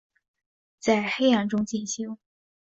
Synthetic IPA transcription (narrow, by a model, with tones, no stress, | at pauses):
t͡sa˥˧ɪxe˥ɪja˥˩nʈ͡ʂʊ˥ŋt͡ɕi˥˩nɕi˥ŋ